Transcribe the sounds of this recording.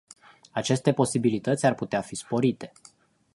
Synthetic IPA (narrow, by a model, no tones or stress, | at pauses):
at͡ʃe̞st̪e̞po̞sibilit̪ət̪sʲarput̪eafispo̞ɾit̪e̞̥